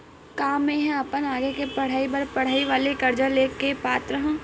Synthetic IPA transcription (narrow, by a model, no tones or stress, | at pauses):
kaːmẽɦɛ̃ɐpənaːɡekepɐɽ̤aːibɐɾpɐɽ̤aːiʋaːlekɐɾd͡ʒəleːkepaːt̪ɾəɦ